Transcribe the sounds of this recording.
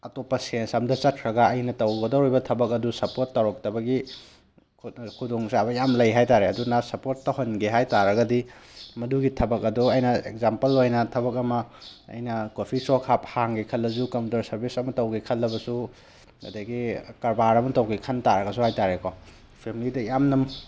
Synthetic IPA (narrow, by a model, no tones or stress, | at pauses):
ɐtopːɐsiensɐmdɐt͡ʃɐt̚kʰɾɐɡɐɐjnɐtɐwɡɐdowɾjbɐtʰɐbɐk̚ɐdusɐpoɾtːɐwɾɔk̚tɐbɐɡi | kʰkʰudoŋsabɐjamlɐjɦajtaɾeɐdunasɐpoɾtːɐɦonɡiɦajtaɾɐɡɐdimɐduɡitʰɐbɐk̚ɐduɐjnɐḛk̚zampɐlojnɐtʰɐbɐk̬̚ɐmɐɐ̰jnɐkopʰisokʰap̚haŋɡikʰɐlːɐzukɐmputɐɾsɐɾbisɐmɐtɐwɡikʰɐlːɐbɐsu | ɡɐ̰deɡikɐɾbaɾɐmɐtɐwɡikʰɐntaɾɐɡɐsuhajtaɾeko | pʰemilidɐjamnɐm